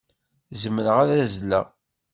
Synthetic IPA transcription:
zəmːəɾəʁæðæzlæ̰

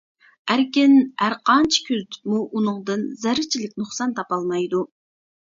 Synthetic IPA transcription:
æɾkʲɪnæɾqʰɑnt͡ʃʰi̥kʲʰøzt̪ʰy̥muʔunɨŋd̪ɨnzæɾɪt͡ʃʰilɪk̚ʲnuχsɑnt̪ʰɑpɑlˠmɑjd̪u

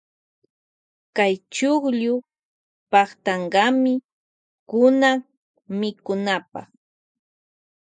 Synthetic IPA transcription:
kajt͡ʃʊχʎʊ | pɑχt̪ɑɴɢɑmɪ | kʊnaŋ | mɪkʊnapɑ̰χ

